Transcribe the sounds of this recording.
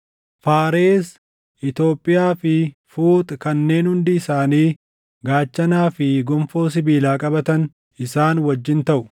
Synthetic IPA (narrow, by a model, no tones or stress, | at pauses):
faːɾeːs | ʔɪt̪o̞ːpʼːɪjaːfɪfuːt̪ʼkɐnːe̞ːnhʊnd̪ɪɪsaːniː | ɡaːt͡ʃːɐnaːfɪɡɔmfo̞ːs̬ɪbiːlaːkʼɐbɐt̪ɐn | ɪsaːnwɐd͡ʒːɪnt̪ɐʔʊ̥